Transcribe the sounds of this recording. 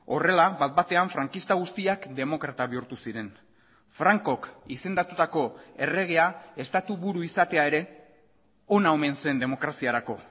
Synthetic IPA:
o̞re̞laβat̪̚bat̪e̞aɱfɾaŋkist̪aɣust̪iakd̪e̞mo̞kɾat̪aβiuɾt̪usiɾe̞n | fɾaŋko̞kise̞nd̪at̪ut̪ako̞e̞re̞ɣ̞e̞ae̞st̪at̪uβuɾuisat̪e̞ae̞ɾe̞ | o̞naome̞nse̞nd̪e̞mo̞kɾasiaɾako̞

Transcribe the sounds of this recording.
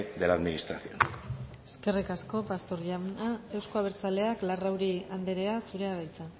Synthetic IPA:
d̪elaðminist̪ɾaθio̰n | eske̞rikasko̞past̪o̞ɾʎanae̞wsko̞aβ̞eɾt͡sale̞aklarawɾiand̪eɾe̞asuɾe̞aðajt͡sa

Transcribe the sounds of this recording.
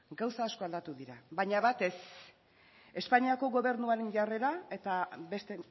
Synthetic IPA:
ɡawsaːsko̞ald̪at̪uðiɾaβajɲaβat̪e̞s | e̞spaɲiako̞ɣo̞βe̞ɾnuaɾenʝare̞ɾae̞t̪abe̞st̪e

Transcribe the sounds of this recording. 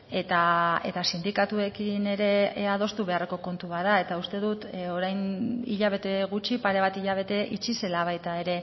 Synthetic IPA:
e̞t̪ae̞̰t̪asind̪ikat̪ue̞kine̞ɾe̞aðo̞st̪uβe̞areko̞ko̞nt̪uβaðae̞t̪aust̪e̞ðut̪o̞ɾajnḭʎaβe̞t̪e̞ɣ̞ut͡ʃipaɾe̞β̞at̪iʎaβ̞e̞t̪e̞ʔḭt͡ʃise̞laβ̞ajt̪ae̞ɾe̞

